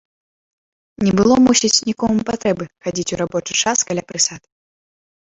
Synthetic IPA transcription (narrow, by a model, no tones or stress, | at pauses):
nʲɛbɨlˠɔmusʲit͡sʲnʲikɔmɨmpat̪ɾɛbɨxad͡zʲit͡sʲuɾabɔt͡ʂɨt͡ʂaskalʲapɾɨsat̪